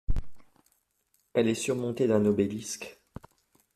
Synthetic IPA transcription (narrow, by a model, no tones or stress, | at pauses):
ɛlɛsyʁmɔ̃t̪ed̪ɛ̃nɔbɛlisk